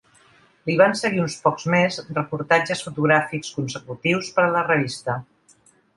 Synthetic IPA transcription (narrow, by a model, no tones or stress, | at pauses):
liβ̞ansəɣiunspɔkzmezrəpuɾt̪ad͡ʒəsfut̪uɣɾafikskunsəkut̪iwspəɾələrəβist̪ə